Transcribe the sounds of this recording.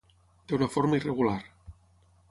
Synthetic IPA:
d̪eunafoɾmaireɣ̞ulaɾ

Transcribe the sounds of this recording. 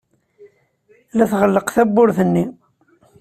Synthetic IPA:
læθʁəlːəqθæbːʊɾθənːi

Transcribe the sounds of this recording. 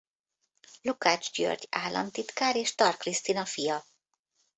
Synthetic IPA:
lukaːd͡ʒɟø̰rɟaːlːɒ̰nt̪it̪kaːɾeːʃt̪ɒrkrist̪inɒfijɒ

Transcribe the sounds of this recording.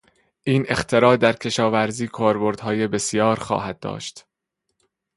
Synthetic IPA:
ʔiːne̞xt̪ʰe̞ɾɒːd̪æɾcʰe̞ʃɒːvæɾziːkʰɒːɾboɾd̪̥hɒːjebe̞sijɒːɾxɒ̰ːɦæd̪̚d̪ɒ̰ːʃt̪

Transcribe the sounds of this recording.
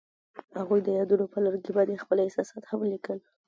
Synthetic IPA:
haɣujd̪əjɑd̪unopəlaɾɡebɑd̪expəlɪsɑsɑt̪hamlikəl

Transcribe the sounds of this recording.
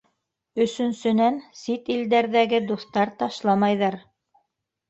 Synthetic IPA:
ɵ̆sɵ̆nsɵ̆nænsit̪ild̪æɾðæɡɘd̪uθt̪ɑɾt̪ɑʃlˠɑmɑjðɑɾ

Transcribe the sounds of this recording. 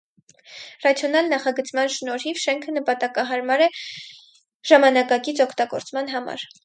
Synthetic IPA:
rɑt͡sʰjɔnɑlnɑχɑɡət͡smɑnʃnɔɾhivʃɛŋkʰənəpɑt̪ɑkɑɦɑɾmɑɾɛ | ʒ̥ɑmɑnɑkɑkit͡sʰɔkʰt̪ɑɡɔ̰ɾt͡smɑnɦɑmɑ̰ɾ

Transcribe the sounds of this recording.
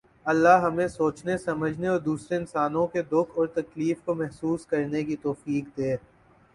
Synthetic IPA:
ɐlːaɦɦɐmẽsoːt͡ʃnesɐməd͡ʒʱneɔːɾd̪uːsɾeɪnsaːnõked̪ʊkʰɔːɾt̪ɐkliːfkomɛɦsuːskɐɾnekit̪ɔːfiːkd̪eː

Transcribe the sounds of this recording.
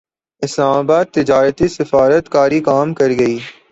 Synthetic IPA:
ɪslaːmaːbaːd̪̚t̪ɪd͡ʒaːɾət̪isɪfaːɾət̪kaːɾikaːmkɐɾɡɐiː

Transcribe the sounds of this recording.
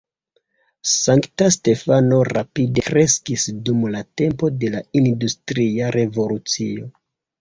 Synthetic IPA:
saŋktaste̞fano̞ɾa̰pide̞kɾe̞skisdumlate̞mpo̞de̞laindustɾiaɾʔe̞vo̞lut͡sio̞

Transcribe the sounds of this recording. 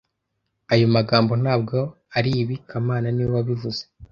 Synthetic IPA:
ajomaɡaːmbo̞n̥aːb̚ɡo̞ | aɾiβikʰamaːnaniwaβivuze

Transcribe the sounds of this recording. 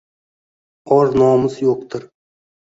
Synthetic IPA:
ɒɾnɒmɪzjoq̚t̪ʰɪɾ

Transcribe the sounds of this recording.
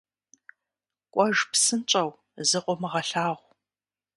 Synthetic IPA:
kʷʼɔʒpsɨnt͡ʃʼɐw | zɨqʷʼɔmɨʁɐɬaːʁʷ

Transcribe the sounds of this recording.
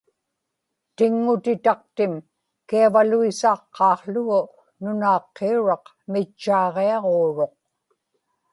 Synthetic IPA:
t̪ɪŋːʊt̪ɪt̪ɑq̚t̪ɪm | kiavaluisɑːqːɑːχlʊɣʊ | nʊnɑːqːeuɻɑq | mɪt͡ʃːɑːʁeɑʁoːɻo̞q̚

